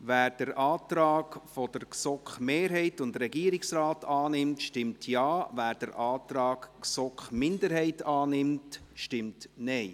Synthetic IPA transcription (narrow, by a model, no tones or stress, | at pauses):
væːɾd̥əɾʔɑːtɾɑːɡfɔd̥əɾksɔkχmeːɾɦɛɪtʊndɾɛɡiəɾɪksɾɑːtʰɑːnɪmtʃtɪmtʰjɑːvæːɾd̥əɾʔɑːtɾɑːkksɔkχmɪndəɾɦɛɪtɑːnɪmtʃtɪmtnɛɪ